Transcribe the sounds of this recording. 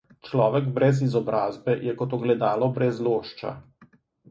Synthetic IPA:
t͡ʃlɔːʋɛɡbɾɛzizɔbɾaːzbɛjɛkɔt̪ɔɡlɛd̪aːlɔbɾɛzloːʃt͡ʃa̰

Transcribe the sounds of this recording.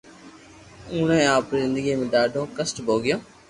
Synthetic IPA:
ʊ̃ːnẽaːpɾizɪ̃nd̪əɡimẽːɗaːɖʱõːkəsʈbʱoːɡɪjõː

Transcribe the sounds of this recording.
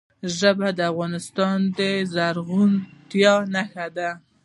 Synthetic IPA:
ʒəbad̪əafɣɑnɪst̪ɑnd̪əzaɾɣunt̪jɑnaxad̪a

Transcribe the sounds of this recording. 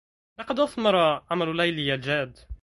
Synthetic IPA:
lɑqɑd̪ʔɑθˤmɑɾˤɑʕamalʊlajlɪjald͡ʒaːd̪

